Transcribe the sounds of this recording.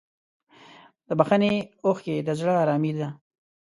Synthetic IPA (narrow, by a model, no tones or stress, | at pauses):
d̪əbaxaneoxked̪əzɽəːɾɑmid̪a